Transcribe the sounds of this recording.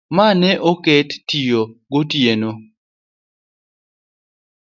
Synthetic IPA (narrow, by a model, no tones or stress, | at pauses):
manɛʔoketːijoɡotjeno